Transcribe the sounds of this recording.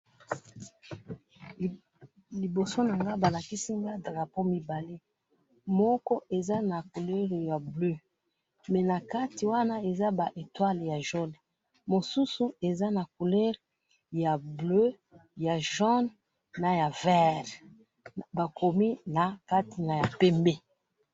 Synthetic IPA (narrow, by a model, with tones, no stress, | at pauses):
li˨bo˨so˦na˨ŋɡa˦ba˨la˨ki˦si˦ŋɡa˦dʁa˨po˦mi˦ba˨le˦ | mɔ˦kɔ˦ʔe˨za˦na˨ku˨lɛ˦ʁja˨blø˦ | mɛ˨na˨ka˦ti˨wa˦na˦e˨za˦ba˨ʔe˨twa˦lja˨ʒo˦n˨ | mo˨su˦su˦e˨za˦na˨ku˨lɛ˦ʁ | ja˨blø˦ | ja˨ʒɔ˦n | na˨ja˨vɛ˦ʁ | ba˨ko˨mi˦na˨ka˦ti˨na˨ja˨pɛ˦mbe˦